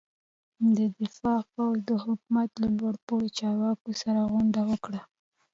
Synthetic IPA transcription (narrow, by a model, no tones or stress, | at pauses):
d̪əd̪ɪfɑpawzd̪əhʊkumat̪lalwaɽpowit͡ʃɑɾwɑkosaɾaɣwand̪awəkɽa